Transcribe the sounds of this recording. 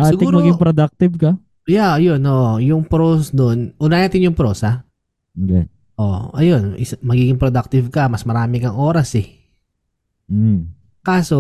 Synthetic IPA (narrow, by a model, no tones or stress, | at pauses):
asɪɡ̪ɪuːmɐɡɪŋpɾod̪ak̚t̪ɪvkɐ | jaɐjonʔoːʔojʊŋpɾosd̪onʔʊnanat̪ɪnjʊŋpɾoːsɐ | ɡɐn | ʔo̰ʔɐjo̞nʔɪsɐmɐɡiːɡɪŋpɾod̪ak̚t̪ɪvkɐmɐsmɐɾaːmɪkɐŋʔo̞ːɾɐsɛ | kaːso